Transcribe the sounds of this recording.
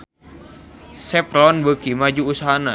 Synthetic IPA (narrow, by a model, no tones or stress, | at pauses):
sɛpɾɔnbəkimad͡ʒuːsaɦana